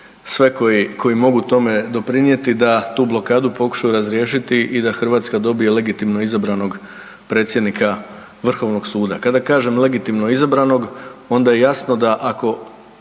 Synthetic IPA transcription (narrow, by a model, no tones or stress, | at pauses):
sʋe̞koikʰo̞jimo̞ɡut̪o̞me̞d̪o̞pɾinje̞t̪id̪at̪uːblˠo̞kaːd̪upo̞ku̥ʃajuɾazɾje̞ːʃit̪iʔid̪axr̩ʋaːt̪skad̪o̞bije̞le̞ɡit̪imno̞izabɾano̞ɡ | pɾe̞ːt̪sʲje̞d̪nikʰa | ʋr̩xo̞ʋno̞ɡ̥suːd̪akad̪akaːʒe̞mlˠe̞ɡit̪imno̞izabɾano̞ɡo̞nd̪aje̞jasno̞d̪aʔako̞